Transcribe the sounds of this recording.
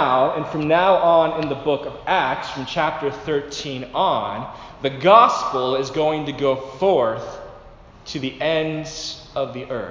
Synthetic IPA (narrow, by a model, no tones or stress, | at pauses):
ʊɨ̃nfɹʌ̃mnaʊʔə̃nɪ̃nðɨbʊkʌvæk̚tsfɹʌ̃mt͡ʃʰæp̚tə˞θɜ˞tʰĩnə̃nðɨɡɑspl̩ˠɪzɡoʊɪ̃ŋtɨɡoʊfɔɹθ | tʰɨðiʔɛ̃ndz̥ | ʌvðiʔɜ˞